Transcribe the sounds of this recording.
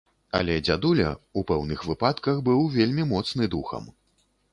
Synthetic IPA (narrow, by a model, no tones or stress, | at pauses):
ɐ̰lʲɛd͡zʲad̪ulʲɐ̰upɛwnɨxvɨpat̪kɐxbɨwvʲelʲmʲimɔt̪snɨd̪uxɐ̰m